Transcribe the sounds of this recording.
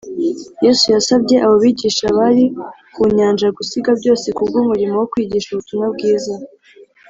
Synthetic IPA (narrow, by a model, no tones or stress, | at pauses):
jesujasabje̞ʔaβoβiːɟiːʃaβaɾi | kuɲaːnʒaɡusiɡabɟo̞ːse̞kubɡuːmuɾimowokwiːɟiːʃuβutumabɡiːza